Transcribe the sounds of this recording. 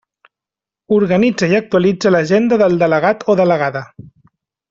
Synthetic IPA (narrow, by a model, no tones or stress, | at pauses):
uɾɣənid͡zəiək̚t̪uəlid͡zələʒend̪əðəlˠd̪ələɣ̞at̪oðələɣaðə